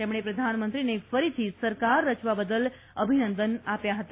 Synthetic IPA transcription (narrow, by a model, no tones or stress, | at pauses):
t̪emɽ̃epɾəd̪ʱanmənt̪ɾinefəɾit̪ʰisəɾkaɾːət͡ʃʋabəd̪əl | əbʱinənd̪ənapjaɦət̪a